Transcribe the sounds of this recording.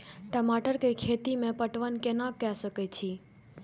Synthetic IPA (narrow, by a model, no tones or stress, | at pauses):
ʈəmaʈəɾkekʰet̪imẽpəʈʋənkenãkːɛsəket͡ʃʰi